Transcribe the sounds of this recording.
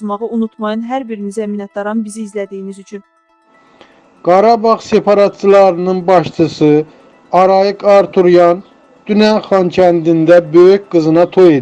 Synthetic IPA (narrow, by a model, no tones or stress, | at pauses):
zmɑʁɯunut̪ʰmɑjɑnɦæɾbiɾinizæminɑt̪̚d̪ɑɾɑnbiziːzlæd̪ijinizyt͡ʃʰyn | ɡ̥ɑɾɑbɑʁse̞pʰɑɾɑt̪̚t͡ʃʰɯlˠɑɾɯnɯnbɑʃt͡ʃʰɯsɯ | ɑɾɑjɯkɑɾt̪ʰuɾjɑn | d̪̥ynænχɑncʰænd̪ind̪æbøycɡ̥ɯzɯnɑt̪ʰo̞jed̪